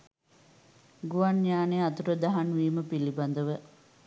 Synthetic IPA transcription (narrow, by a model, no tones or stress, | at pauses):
ɡuʋanɲaːneat̪uɾəd̪aɦanʋiːməpiliband̪əʋə